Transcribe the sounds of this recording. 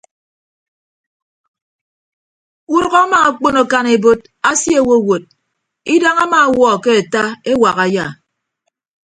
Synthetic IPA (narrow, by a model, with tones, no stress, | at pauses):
u˦ɾɔ˦ɣa˦ma˨a˨k͡po˦no˨ka˦ne˨bo˦d | a˦sje˦˨wo˦˨wo˨d̚ | i˦da˦ŋa˦maː˨˦˨wɔ˦˨ke˦a˨ta˦e˦wa˨ɣa˨ja˦˨